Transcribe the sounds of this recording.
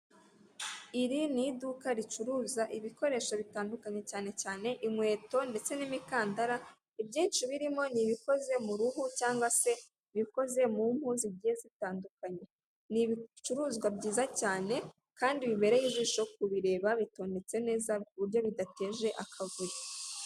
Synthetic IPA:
iɾinidukaɾit͡ʃuɾuːzaʔiβiko̞ɾe̞ːʃaβitaːndukaɲe̞caːne̞caːne̞ʔimŋwe̞ːto̞nde̞t͡se̞nimikaːndaɾa | ibɟiːnt͡ʃiβiɾimo̞niβiko̞ze̞muɾuhucaːŋɡwase̞ | βiko̞ze̞mum̥huːnziɟiːje̞zitaːndukaɲe̞ | niβit͡ʃuɾuːzɡwabɟiːzacaːne̞ | kaːndiβiβe̞ɾejiziʃo̞k̚uβiɾe̞ːβaβito̞ːnde̞t͡se̞ne̞ːzakuβuɾjo̞βidate̞ːʒe̞ʔakʰavuɾi

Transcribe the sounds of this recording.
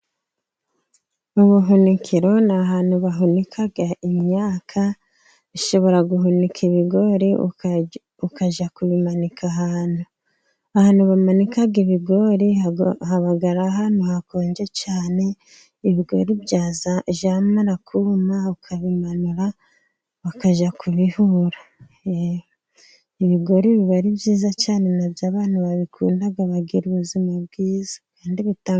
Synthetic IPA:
uβuɦunikʰiɾo̞naɦaːnhuβaɦunikʰaɡaʔimɲaːkʰa | βiʃo̞βo̞ɾaɡuɦunikʰiβiɡo̞ɾḭ | ukaʒakuβimanikʰaɦaːn̥hu | ahaːnhuβamanikaɡiβiɡo̞ɾihaβaɡaɾaɦanuhako̞ːɲɟet͡ʃaːne̞ | iβiɡo̞̰ɾibɟaːzaʒamaɾakʰumaukʰaβimanuɾa | βakaʒakʰuβihuɾa | e | iβiɡo̞ɾiβiβaɾibɟiːzat͡ʃaːne̞nabjaːβaːnhuβaβikʰṵːndaɡaβaɡḭɾuβuzimab̚ɡiːzḁkaːndiβitaː

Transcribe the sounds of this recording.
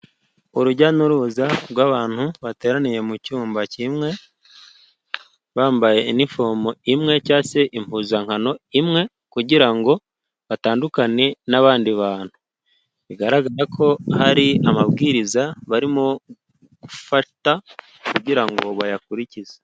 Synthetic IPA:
uɾuɟanuɾuzaɾɡwaːβaːn̥huβate̞ːɾanije̞mucuːmbacimŋe̞ | βaːmbaje̞inifo̞moimŋe̞caːse̞ʔimpuːzaŋ̥hano̞imŋe̞ | kuɟiɾaŋɡo̞ | βataːndukane̞naβaːndiβaːn̥hu | βiɡaɾaɡaɾakʰo̞haɾiamabɡiːɾizaβaɾimo̞ | ɡ̥ufata | kuɟiɾaŋɡo̞βajakuɾicize̥

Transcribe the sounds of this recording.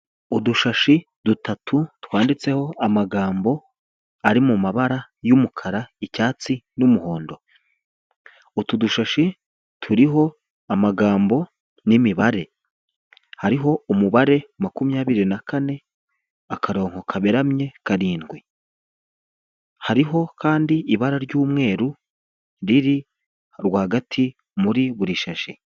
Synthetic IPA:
uduʃaʃi | dutatʰutwaːndit͡se̞ho̞amaɡaːmbo̞ | aɾimumaβaɾajumukʰaɾaicaːt͡sinumuho̞ːndo̞ | utuduʃaʃi | tʰuɾiɦo̞ | amaɡaːmbo̞ | nimiβaɾe̞ | haɾiɦo̞umuβaɾe̞makumɲaːβiɾinakane̞ | akʰaɾo̞ːŋ̥ho̞kʰaβeɾamɲe̞kaɾiːnɡwe | haɾiɦo̞kʰaːndiːβaɾaɾɟuːmŋe̞ːɾu | ɾiɾi | ɾɡwaːɡatʰi | muɾiβuɾiʃaʃi

